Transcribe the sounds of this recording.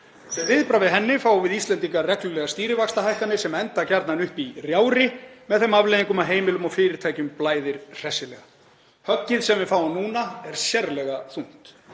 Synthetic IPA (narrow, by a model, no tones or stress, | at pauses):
sɛvɪðpɾavɪðɦɛnːɪfaːwvɪðist̪lɛnt̪iŋkarɛklʏlɛɣast̪iːɾɪvakst̪aɦajhkanɪsɛmɛnt̪acaɾt̪nanʏhpirjaːwɾɪmɛðθɛmavleːðiŋkʏmaɦeːjmɪlʏmɔfɪːɾɪɾ̥t̪ʰaːjcʏmplaːjðɪɾ̥r̥ɛsɪlɛ̰ɣa | hœcːɪðsɛmvɪfaːwʏmnuːnaɛɾ̥sjɛɾlɛɣaθun̥t̪